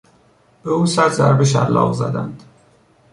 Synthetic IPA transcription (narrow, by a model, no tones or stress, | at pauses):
b̥euːsæɾzæɾbeʃ̬æ̰lːɒ̰ːʁzæ̰d̪ænd̪̥